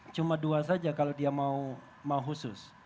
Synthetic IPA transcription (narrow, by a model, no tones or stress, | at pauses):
t͡ʃumaduasad͡ʒakalodiamau | mauɦusʊs